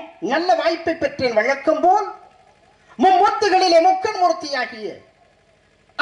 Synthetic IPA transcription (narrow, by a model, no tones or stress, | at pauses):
nɐlːɐʋaːjpːɐɪpːɛʈrenʋɐɻɐkːɯmpoːl | mʊmbɐt̪ːɯɣɐɭɪleːmʊkːɐnmʊrɯt̪ːɐjaːɣɪjɐ̰